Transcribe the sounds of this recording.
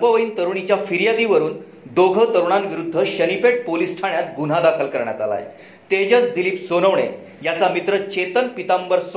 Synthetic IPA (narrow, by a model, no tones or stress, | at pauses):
pəʋəiːnt̪əɾuɳ̃it͡ɕjafiɾjad̪iʋəɾuːn | d̪oɡʱət̪əɾuɳanʋiɾud̪ʱːəɕənipeʈ̚polisʈʰaɳjat̪̚ɡun̤ad̪akʰəlkəɾɳja̰t̪a̰la̰j̰ | t̪ed͡ʑət͡sd̪iliːpsonəʋɳḛ | jat͡samit̪ɾət͡ɕet̪ənpit̪ambəɾs